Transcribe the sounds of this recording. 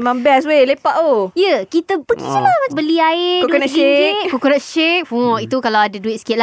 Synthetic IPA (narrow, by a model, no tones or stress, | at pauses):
emãŋbɛswelepaʔojəkit̪əpəɡit͡ʃəlahmasbəliaɪduknaʃekukunaʔʃek̚foit̪ukalawadaduɪt̪sə̥kiɪt̪̚la